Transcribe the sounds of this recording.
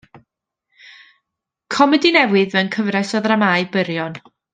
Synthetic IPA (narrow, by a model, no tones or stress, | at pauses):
kʰɔmɛdinɛwɨðvɛnkʰəvrɛsɔðramajbəɾjɔn